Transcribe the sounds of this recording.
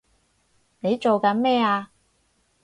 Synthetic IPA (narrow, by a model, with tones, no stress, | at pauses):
ne˨˧jt͡ʃo˨wkɐ˨˥nmɛː˥aː˧